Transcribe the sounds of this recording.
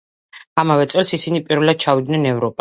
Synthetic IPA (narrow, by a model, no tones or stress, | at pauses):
amavɛt̪sʼɛlˠsisinipʼiɾvɛlad̪̥̚t͡ʃʰavid̪nɛnɛvɾɔpʼa